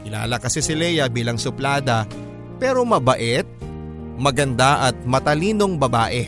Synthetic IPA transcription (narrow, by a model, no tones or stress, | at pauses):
ʔɪla̰ːlɐkɐsɪsɪlɛːjɐbiːlɐŋsʊplaːd̪ɐ | pɛːɾo̞mɐbɐʔɛt̪̚ | mɐɡɐnd̪aʔɐt̪̚mɐt̪ɐliːno̞ŋbɐbaːʔɛ